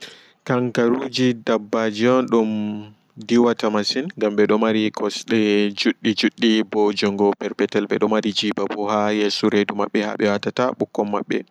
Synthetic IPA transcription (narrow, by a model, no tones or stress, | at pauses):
kaŋkaɾud͡ʒidabːad͡ʒiɔnɗum | diwatamasinŋɡamɓɛɗɔmaɾikʰɔsɗɛd͡ʒuɗːid͡ʒuɗːibɔd͡ʒɔŋɡɔpɛɾpɛtɛlɓɛ̰ɗɔmaɾid͡ʒibabuhajɛsuɾeduma̰ɓːɛha̰ɓɛwatataɓukːɔmːa̰ɓːɛ̰